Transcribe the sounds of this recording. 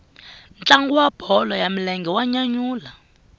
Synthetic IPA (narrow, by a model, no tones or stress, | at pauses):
nt͡ɬaŋɡuwab̥ʱɔlɔjamilɛŋɡɛwaɲaɲuːla